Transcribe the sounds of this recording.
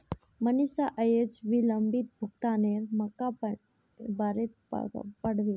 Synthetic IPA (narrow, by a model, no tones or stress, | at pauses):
mənisaʔəjed͡ʑʋiləmbit̪̚bʱukt̪aneɾmɐka | baɾet̪pəɽ̤ʋe